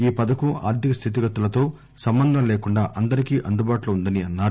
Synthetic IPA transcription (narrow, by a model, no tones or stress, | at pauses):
iːpɐd̪ɐkua̰ːɾt̪jikɐst̪ʰit̪̬iɡɐt̪ːulɐt̪o̞ː | sɐmbɐnd̪ʱɐmleːkuɳɖaːʔɐnd̪ɐɾikiːʔɐnd̪ubaːʈluund̪ɐniɐnːaːɾ